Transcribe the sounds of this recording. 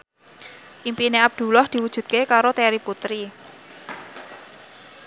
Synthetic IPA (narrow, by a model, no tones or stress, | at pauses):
ʔimpineab̚d̪̥ṳlɔhd̪̥i̤wudʒ̥ṳt̪̚kekaɾot̪eɾiput̪ɾi